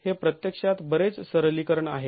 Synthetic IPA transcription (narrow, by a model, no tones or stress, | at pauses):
hepɾət̪jəkʂat̪bəɾet͡ssəɾlikəɾəɳaɦe